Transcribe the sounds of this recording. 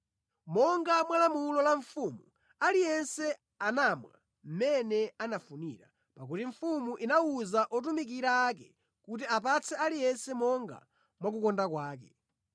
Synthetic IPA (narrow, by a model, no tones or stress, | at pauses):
mɔŋɡamwalamulɔlaɱfumu | alijɛnsɛ | anamwa̰ | m̩mɛnɛanafuniɾa | pak̬utiɱ̩fumuʔinauzaʔɔt̬umik̬iɾaːkɛ̰ | kut̬iap̬at͡sʰɛalijɛnsɛmɔŋɡa̰ | mwak̬ukɔndakwaːkɛ